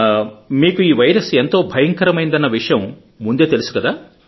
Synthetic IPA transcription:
miːkuiːʋɐjɾɐsent̪o̞ːbʱɐjɐŋkɐɾɐmɐjnd̪ɐnːɐʋiʂɐjɐmː | und̪e̞ːt̪elisu̥kɐd̪aː

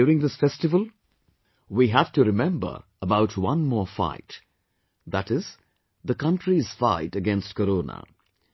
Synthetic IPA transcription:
uɾɪ̃ŋd̪ɪsfɛstɪvəl̩ˠ | wiɦæfʈuɾɪmɛ̃mbə̰˞ | əbaʊʈʰwʌ̃nmɔːfa̰ɪt | ðæʈɪz | ðəkʌ̃nʈʰɾiz̥faɪtəɡɛ̃nstkəɾoːnə̰

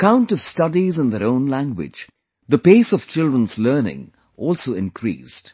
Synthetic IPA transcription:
əkãʊ̃ntʌv̥stʌdizə̃nðəɾõʊ̃nlæ̃ŋɡwɪ̰̥d͡ʒ | d̪əpeːsɔv̥t͡ʃɪlˠdɹə̃nz̥lɜːnɪ̰̃ŋ | ʔɔːlˠsoʊɪ̃nkʰɾḭːsd̥

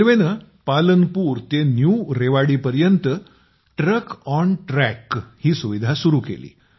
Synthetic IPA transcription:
ʋenə | palənpuːɾt̪enjuɾeʋaɽiːpəɾjənt̪ə | ʈɾəkɔnʈɾɛkhiːsuʋid̪ʱasuɾuːkḛlḭː

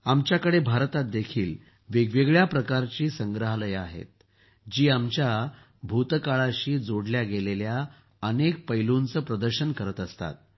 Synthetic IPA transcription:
amt͡ɕjakəɽebʱaɾt̪at̪̚d̪ekʰiːl | ʋeɡʋeɡɭjapɾəkaɾt͡ɕiːsəŋɡɾəɦləjaɦḛt̪̚ | d͡ʑiːamt͡ɕja | bʱut̪kaɭaɕiːd͡zoɽljaɡelelja | ənek̚pəjlunt͡səːpɾəd̪əɾɕənkəɾət̪əst̪a̰t̪̚

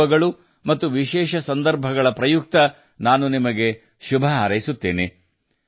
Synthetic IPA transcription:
ɐɡɐɭu | mɐt̪ːuʋiʃɛːʃɐsɐnd̪ɐɾbʱɐɡɐɭɐpɾɐjuk̚t̪ɐ | naːnunimɐɡe̞ | ʃubʱɐaːɾɐjisut̪ːeːne

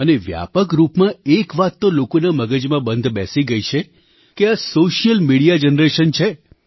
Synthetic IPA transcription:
əneʋja̰pəkɾupmãekʋat̪ːolokonaməɡəd͡ʒmãbənd̪ʱbɛ̰siɡəjt͡ʃʰe | keasoʃijəlmiɽijad͡ʒənɾeʃənt͡ʃʰe

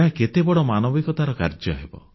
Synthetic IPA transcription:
ɦãket̪ebɔɽɔmanɔbikɔt̪aɾɔkaɾd͡ʒjɔɦebɔ̰

